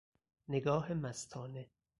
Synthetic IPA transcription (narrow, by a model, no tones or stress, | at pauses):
neɡɒːɦemæst̪ʰɒːne